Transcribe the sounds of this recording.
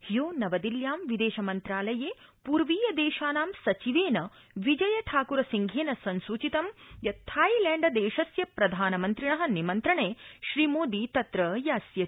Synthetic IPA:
hjoːnɐʋɐd̪iljaːmʋid̪eːʃɐmɐnt̪ɾaːlɐjeːpuɾʋiːjɐd̪eːʃaːnaːmsɐt͡ʃiʋeːnɐ | ʋid͡ʒɐjɐʈʰaːkuɾɐsiŋɡʱeːnɐsɐnsut͡ʃit̪ɐmjɐt̪ʰaːjilɛːɳɖɐd̪eːʃɐsjɐpɾɐd̪ʱaːnɐmɐnt̪ɾiɳɐɦɐ̆nimɐnt̪ɾɐɳeːʃɾiːmoːd̪iːt̪ɐt̪ɾɐjaːsjɐ

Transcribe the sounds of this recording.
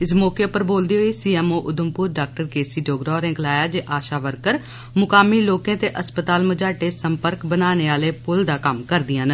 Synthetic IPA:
ɪsmɔːkeːpəɾboːld̪iːɦoːiːsiːɛːmoːʔʊd̪əmpʊːɾɖaːk̚ʈəɾkeːsiːɖoːɡɾɔːɾɛ̃ːklaːjaːd͡ʒeːʔaːʃaːʋəɾkəɾ | mʊkaːmiːloːkẽːt̪eːʔəspət̪aːlməd͡ʒaːʈeːsəmpəɾkbənaːneːaːleːpʊld̪aːkəmkəɾd̪ɪiɦən

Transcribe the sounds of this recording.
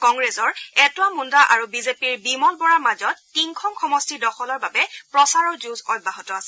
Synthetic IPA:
kɔŋɡɹezɔɹɛtwamundaʔaɹubizepiɹbimɔlbɔɹaɹmazɔtːinkʰɔmkʰɔmɔstidɔxɔlɔɹbabɛpɹɔsaɹɔɹzuzɔjbʱːaɦɔtɔasɛ

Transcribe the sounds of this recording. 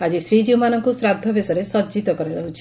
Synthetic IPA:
ad͡ʒisɾid͡ʒiwmanɔŋkusɾad̪ʱːɔbesɔɾesɔd͡ʒit̪ɔkɔɾɔd͡ʒɔɦut͡ʃʰi̥

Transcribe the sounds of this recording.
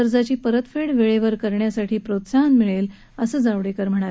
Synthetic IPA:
əɾd͡zat͡ɕiːpəɾət̪feɽʋeɭeʋəɾkəɾɳjasaʈʰiːpɾot̪sanmiɭel | əsəːd͡zaʋɽekəɾm̤əɽ̃aɾ

